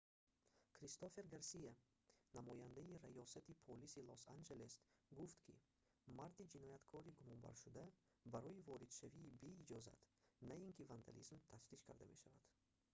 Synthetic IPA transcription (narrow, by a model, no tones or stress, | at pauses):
kʰɾist̪ofe̞ɾɡaɾsija | namɔjand̪aiɾajɔsat̪ipʰolisilosand͡ʒe̞lesɡuft̪kʰḭ | maɾd̪id͡ʒinɔjat̪kʰɔɾiɡumɔnba̰ɾʃud̪a | baɾɔivɔɾid̪ʃaviːbeid͡ʒɔza̰t̪naiŋkʰivand̪a̰lizmt̪ʰast̪iʃkʰa̰ɾd̪ame̞̰ʃavad̪̥